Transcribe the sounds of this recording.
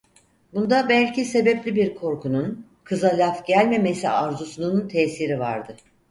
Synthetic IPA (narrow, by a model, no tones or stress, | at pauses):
bund̪abælʲcise̞bɛplʲibiɾkʰo̞ɾkʰunun | kʰɯzalʲafɟælʲme̞me̞siaɾzusununt̪ʰɛːsiɾiva̰ɾd̪ɯ